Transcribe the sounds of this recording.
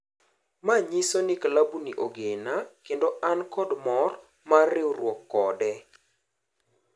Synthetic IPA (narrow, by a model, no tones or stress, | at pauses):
maɲisonɪklabuniʔoɡenakendoʔankɔdmɔr | marɪɾwɔkːɔdɛ